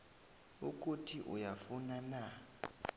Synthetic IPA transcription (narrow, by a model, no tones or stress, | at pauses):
uk̬ʼutʰiʔṵjafunana